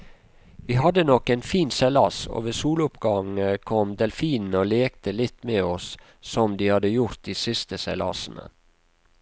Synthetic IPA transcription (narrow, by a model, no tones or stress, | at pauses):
ʋiːhɑd̪ənɔkːɛɪnfiːnsɛlɑso̰ːʋeːsuːlʊpɡ̥ɑŋəkʰɔmd̪ɛlfiːnn̩oːleːk̚t̪əlɪt̪meːɔs | sɔmd̪iːhɑd̪əjʊɾt̪̚d̪iːsɪst̪əsɛlɑ̰sn̩ə̰